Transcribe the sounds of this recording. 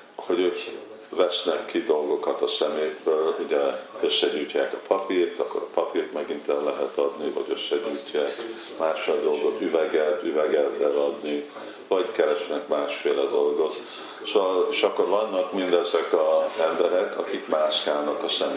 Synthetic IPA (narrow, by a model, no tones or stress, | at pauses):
ho̞ɟøːk | vɛsnɛkːid̪o̞lɡo̞kɒt̪ɒsɛmeːt̪bøːluɟɛø̞sːɛɟyːcːaːkɒpʰɒpiːrt̪ɒkːo̞ɾɒpɒpiːrt̪mɛɡint̪ɛllːɛɦɛt̪ɒd̪nivɒ̰ɟøsːɛɟyːcːaːk | maːʃfeld̪o̞lɡo̞t̪yvɛɡɛt̪yvɛɡɛt̪ɛlɒd̪ni | vɒɟkɛɾɛʃnɛkmaːʃfeːlɛd̪o̞lɡo̞t̪ | sooːɒleʃɒkːo̞ɾvɒnːɒkmind̪ɛzɛkɒzɛmbɛɾɛkɒ̰kikmaːʃkaːlnɒkɒsɛme